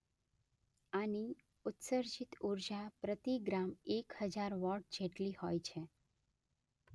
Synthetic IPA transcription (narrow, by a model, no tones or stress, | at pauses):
ani | ʊt̪səɾd͡ʒit̪uɾd͡ʒapɾət̪iɡɾamekhəd͡ʒaɾʋɔʈ̚d͡ʒeʈlihojt͡ʃʰe